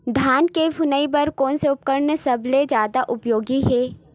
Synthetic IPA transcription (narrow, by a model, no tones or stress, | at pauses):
d̪ʱaːnkebʱʊnaibɐɾkɔːnseʊp̚kəɾnsɐbled͡ʒjaːd̪aʔʊpjoːɡiɦɛː